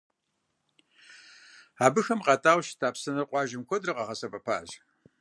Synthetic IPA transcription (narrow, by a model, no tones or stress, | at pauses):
aːbɨxɐmqɐtʼaːwʃtʰaːpsɐnɨrqʷʼɑːʒɪmkʷʰɔdrɨqɐʁɐsɐpʼɐpʰa̰ːʑ